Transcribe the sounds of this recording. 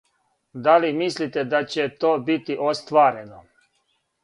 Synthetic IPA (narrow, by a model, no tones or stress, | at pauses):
d̪alimislit̪ed̪at͡ɕet̪oːbit̪iʔost̪ʋaːɾeno